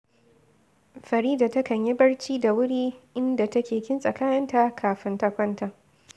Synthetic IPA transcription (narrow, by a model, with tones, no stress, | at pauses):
ɸɐ˨ɾiː˦da˨tɐ˦kɐ˨ɲji˦bɐ˦ɽt͡ʃiː˦da˨wʊ˦ɽiː˦ʔɪ˦nda˨tɐ˦kʲeː˨kʲɪ˦nsʼɐ˨kaː˦jɐ˦nta˨kʰaː˨ɸɪ˦ntɐ˦kʷɐ˦nta˨